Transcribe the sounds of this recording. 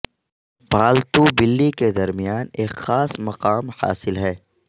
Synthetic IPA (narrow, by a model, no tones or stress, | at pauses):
bʱaːlt̪ubɪlːiked̪ɐɾmijaːneːkxaːsmɐqaːmha̰ːsɪlɦɛː